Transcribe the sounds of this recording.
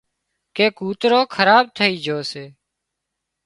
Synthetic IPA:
keːkuːt̪ɾoːkʰəɾaːb̚t̪ʰəiːd͡ʒʱoːseː

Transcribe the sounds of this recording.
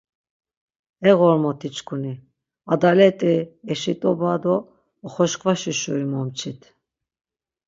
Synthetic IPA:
ɛɣɔɾmɔt̪ʰit͡ʃʰʼkʰuni | ad̪alɛt̪ʼɛɛʃit̪ʼɔbad̪ɔː | χɔʃkʼvaʃiʃṵɾimɔmt͡ʃʰit̪ʰ

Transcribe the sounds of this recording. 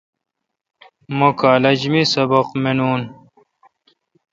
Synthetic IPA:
mokaːlɐd͡ʑmisɐbɐqmenuːn

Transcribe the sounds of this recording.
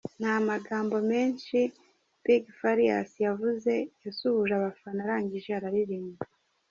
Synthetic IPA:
n̥hamaɡaːmbo̞me̞ːnʃi | piɡfaɾija̰sijavuze̞jasuhuʒaβafanaɾaːɲɟiʒeaɾaɾiɾiːmɡi

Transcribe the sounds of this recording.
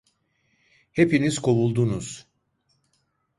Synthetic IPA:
he̞piniz̥kʰo̞βulˠd̪unuz̥

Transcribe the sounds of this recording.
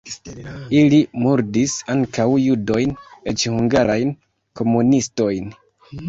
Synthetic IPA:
ilimuɾdisaŋkawjudo̞jnet͡ʃhuŋɡaɾajn | ko̞munisto̞jn

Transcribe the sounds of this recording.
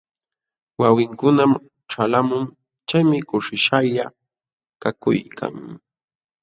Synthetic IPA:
wawɪŋkʊnam | ʈ͡ʂalamʊŋ | t͡ʃajmɪkʊʂɪʃaja | kakʊ̰jkʰa̰ŋ

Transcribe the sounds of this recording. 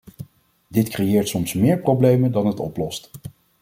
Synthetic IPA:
dɪtkrejɪːɹtsɔmsmɪːɹprowblejməndɑnɦətɔ̰plɔst

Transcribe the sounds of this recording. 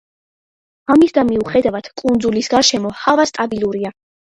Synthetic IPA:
amisd̪amiuχɛd̪avad̪̥kʼund̪zulisɡaɾʃɛmɔhavast̪ʼabilˠuɾia

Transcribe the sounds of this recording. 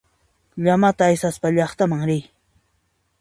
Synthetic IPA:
ʎamat̪aːjsaspaʎɑχt̪amaŋɾɪj

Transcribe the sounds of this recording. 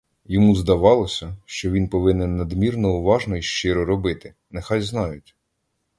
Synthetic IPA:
jɔmuzd̪ɐʋɑlˠɔsʲɐʃt͡ʃɔʋʲinpɔʋɪnɛnːɐd̪mʲirnɔʊʋɑʒnɔiʃt͡ʃɪɾɔɾɔbɪt̪ɪ | nɛxɑjznɑjʊtʲ

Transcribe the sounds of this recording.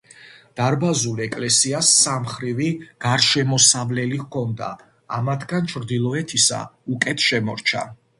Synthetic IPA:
d̪̥aɾbazulɛkʼlɛsiasːamχɾiviɡ̥aɾʃɛmɔsavlɛlikʰɔnd̪a̰ː | mat̪ʰɡant͡ʃʰɾd̪ilˠɔɛt̪ʰisa̰ukʼɛt̪ʰʃɛmɔɾt͡ʃʰa̰

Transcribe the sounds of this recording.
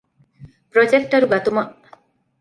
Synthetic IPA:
pɾɔd͡ʒek̚ʈaɾuɡat̪umaʔ

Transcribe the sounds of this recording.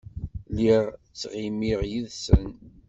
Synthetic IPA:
liʁt͡sːʁimiʁjiðsən

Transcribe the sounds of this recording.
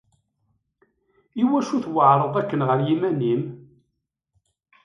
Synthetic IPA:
iwæʃuθwəʕɾˤəðˤækːənʁəɾjimænim

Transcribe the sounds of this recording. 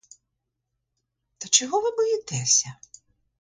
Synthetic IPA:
t̪ɐt͡ʃɔɦɔʋɪbɔjɪt̪ɛsʲɐ

